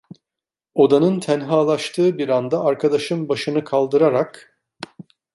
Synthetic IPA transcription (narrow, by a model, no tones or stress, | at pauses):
o̞d̪anɯnt̪ʰænɦaːlˠaʃt̪ʰɯːbiɾand̪aːɾkʰad̪aʃɯnbaʃɯnɯkʰalˠd̪ɯɾaɾak